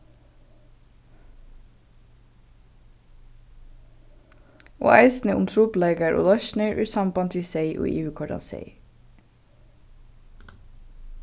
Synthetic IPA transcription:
o̰ːʔæɪsn̩əʔʊ̰mt̪ʰɾuːpleːɡəɾʔo̰ːlɑʃnœʏʔʉːsɑmbɑnt̪ʰiseɪʔo̰ːʔḭːʉːkʰɔɖɑ̰nsḛɪ

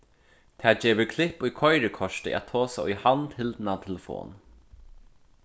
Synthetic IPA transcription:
t̪ʰɛːd͡ʒeːʋɪkʰlɪhpːʊjkʰɔjɾɪkʰɔʂt̪ɪ̰ʔɛ̰t̪ʰoːsaujhant̪hɪlnat̪ʰɛləfo̰ːn

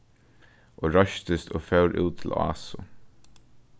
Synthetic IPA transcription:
ʔoːɹœʃt̪əst̪ʰoːfœʊɾʔʉ̰ːt̪ʰːɪlɑ̰ːsʊ

